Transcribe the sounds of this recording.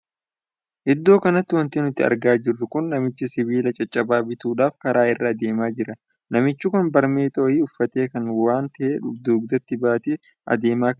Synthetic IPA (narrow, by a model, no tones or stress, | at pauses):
ʔɪd̪ːo̞ːkɐnɐt̪ːɪwɐnt̪ɪnʊt̪ːɪɐ̰ɾɡaːd͡ʒɪrːʊkʊnːɐmɪt͡ʃːɪsɪβiːlɐt͡ʃʼɐt͡ʃʼɐbaːbɪt̪uːᶑaːfkɐɾaːɪrːad̪e̞ːmaːd͡ʒɪɾɐ | nɐmɪt͡ʃːʊkʊnbɐɾmeːt̪ʼɐɔjiːʊfːɐt̪e̞ːkɐnwaːnt̪ɐʔeːᶑʊd̪uːɡ̚d̪ɐt̪ːɪbaːt̪e | ʔɐ̰d̪e̞ːmaːkɐ